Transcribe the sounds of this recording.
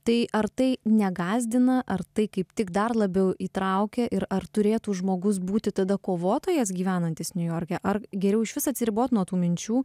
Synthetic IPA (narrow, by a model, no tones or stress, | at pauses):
t̪ɐɪʔɐɾt̪ɐɪnʲɛɡɑːzʲd̪ʲɪnɐʔɐrt̪ɐɪkɐɪpt̪ʲɪkd̪ɐrlˠɐbʲɛʊʔiːt̪ɾɐʊkʲɛʔɪɾɐrt̪ʊɾʲeːt̪uːʒmoːɡʊs̬buːt̪ʲɪt̪ɐd̪ɐkoːʋoːt̪oːjɛs̬ɡʲiːʋʲæːnɐnʲt̪ʲɪsnʲʊjoːɾʲkʲɛʔɐrɡʲɛɾʲɛʊɪʃʲʋʲɪsɐt̪ʲsʲɪɾʲɪboːt̪nuɔt̪uːmʲɪnʲt͡ʃʲuː